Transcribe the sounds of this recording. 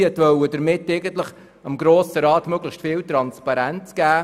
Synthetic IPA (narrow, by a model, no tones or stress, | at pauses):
ətvœwəd̥əɾmɪtːeɪɡəntləχ | ɑmɡɾoːsəɾɑːtmøɡ̥ləxstfɪːltɾɑnspɑɾænt͡sɡ̥æː